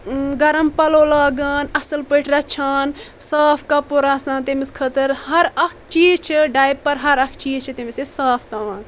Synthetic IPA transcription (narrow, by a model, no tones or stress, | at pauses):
ɡɐɾɐmpɐloːlaːɡɐnɐsɐlpəʈʰɾɐt͡ʃʰaːnsaːpʰkɐpoɾaːsãːnt̪emiskʰɐt̪ɐɾhɐɾɐkʰt͡ʃiːzt͡ʃʰiɖaːjbpɐɾɦɐɾɐkʰt͡ʃiːzt͡ʃʰit̪imisesaːpʰt̪aaːn